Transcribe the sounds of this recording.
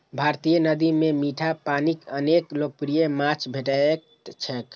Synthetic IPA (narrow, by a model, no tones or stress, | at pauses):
bʱaɾt̪ijənəd̪imemiʈʰapanikəneklok̚pɾijemat͡ʃʰbʱeʈak̚ | t͡ʃʰɛk